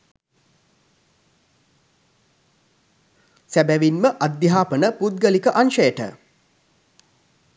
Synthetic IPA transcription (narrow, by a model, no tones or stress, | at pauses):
sæbæʋinməʔad̪ːjiɦaːpənəput̪̚ɡəlikəʔanʃəjəʈə̰